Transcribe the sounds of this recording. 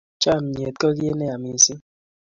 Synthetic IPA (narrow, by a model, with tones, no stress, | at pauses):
t͡ʃa˦˨m̩˨ɲ˨e˨t̚kə˦ɣje˦nɛ˦a˨mi˨si˦